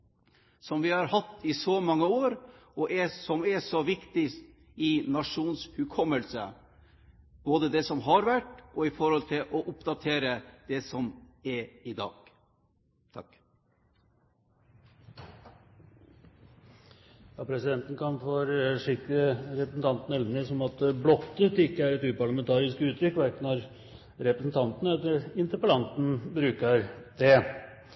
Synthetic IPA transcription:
sɔmʋɪhɑɾhɑt̪ːɪsɔmɑŋːəoːɾ | ɔʔɛsɔmɛsɔʋɪkt̪ɪ | ɪnɑʂuːnshʉkʰɔmːəlsə | b̥oːd̪əd̪ɛsɔmɦɑɾʋæʈːɔɪfɔɾhɔlt̪ʰɪlʔɔʔʊpd̪ɑt̪ʰeːɾəd̪̥ɛsɔmɛɾɪd̪ɑ̰ːɡ̥ | t̪ʰɑ̰k | jɑːpʰɾɛsɪd̪ɛnt̪n̩kʰɑnfɔɔɾʂɪkːɾəəɾɛpɾəsn̩t̪ʰɑnt̪ən̩ɛlnɪsɔmɑt̪̚d̪blɔt̪ːət̪ɪkːəæɾɛt̪ʉːpɑɭɑmɛnt̪ɑːɾɪskʉːt̪ɾʏkːʋæɾkənɑɾ | ɾɛpɾəsn̩t̪ʰɑnt̪ənəɛt̪əɪnt̪əɾpəlɑnt̪n̩bɾʉːkəɾd̪ɛ

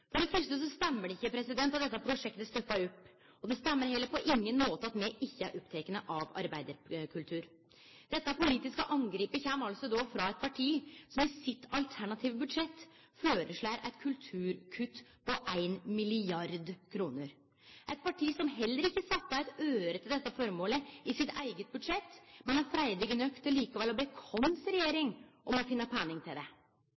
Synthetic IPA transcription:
fɔɖɛfœʂt̪əs̬ɔst̪ɛmːəɖɛɪçːəpʰɾɛsɪd̪ɛnɑt̪d̪ɛt̪ːɑpʰɾʊʂɛkt̪əst̪œpːɑɾʊpː | ɔd̪ɛst̪ɛmːəɾhɛlːəɾpʰɔʔɪŋːənmoːt̪əɑt̪mɛʔɪçːəæɾʔɔpːt̪ʰɛkənəʔɑʋɑ̰ɾbæɪd̪əɾkʰʉlt̪ʰʉːɾ | d̪ɛt̪ːəæɾpʊliːt̪ɪskəʔɑŋɡɾiːpəçæːmɑlsɔd̪ofɾɑɛɪt̪̚pʰɑʈʰiːsɔmɪsɪt̪ːɑlt̪ʰæɳɑt̪ʰiːʋbʉd̪ʂɛt̪ː | føːɾəʂɭæːɾʔæ̰ɪt̪̚kʰʉlt̪ʰʉːɾkʰʉt̪ːpʰɔʔæɪnmɪlɪɑɾd̪kʰɾuːnəɾ | ʔæɪt̪̚pɑʈʰiːsɔmɦɛlːəɾɪkːəsɑt̪ːəæɪt̪øːɾət̪ɪld̪ɛt̪ːɑfɔɾmoːləɪsɪt̪æ̰ɪɡət̪̚bʉd̪ʂɛt̪ːmɛnæɾfɾæɪd̪ɪɡənœkt̪ʰːɪlliːkɑʋɛlɔbɛkʰɔnsɾɛjeːɾɪŋʔɔmɔfɪnːəpʰæːnɪŋt̪ʰɪld̪ɛ

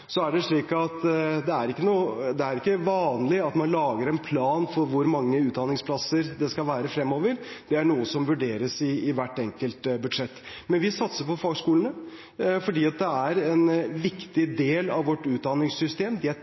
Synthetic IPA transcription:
sɔæɖɛʂɭiːkɑt̪d̪ɛæɾɪkːənuːəd̪ɛæɾɪkːəʋɑːnlɪɑt̪mɑnlɑːɡəɾɛnpʰlɑːnfɔɾʋʊɾmɑŋːəʉːt̪̚d̪ɑnɪŋspʰlɑsəɾd̪ɛskɑlʋæːɾəfɾɛmːoːʋəɾd̪̥ɛæɳuːəsɔmʋʉɖeːɾəsɪːʋæʈːɛŋkəlt̪bʉd̪ʂɛt̪ːmɛnʋɪsɑt̪səpɔfoːɡʂkuːlənə | fɔɖiːɑt̪̚d̪ɛæɾɛnʋɪkt̪ɪd̪eːlɑ̰ʋʋɔʈːʉːt̪̚d̪ɑnɪŋssʏst̪eːmd̪ɪ

